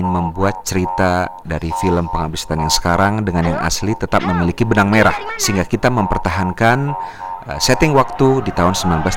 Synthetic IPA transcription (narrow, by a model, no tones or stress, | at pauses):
nməmbuat̪̚t͡ʃəɾit̪a | daɾifiləmpəŋabisḁt̪anjaŋsə̥kaɾaŋdəŋanjaŋʔa̰slit̪ət̪ap̚məmilikibənaŋmeɾahsəɦiŋɡakit̪aməmpərt̪aɦankanəsɛt̪ɪŋwak̚t̪udit̪aɦʊnsəmbilanblas